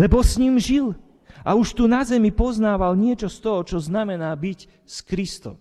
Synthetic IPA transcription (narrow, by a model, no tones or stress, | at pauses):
lɛbɔsɲimʒil | ʔauʃt̪uːnazɛmipɔznaːʋalɲɪɛt͡ʃɔst̪ɔɦɔt͡ʃɔznamɛnaːbic | skɾist̪ɔ̰m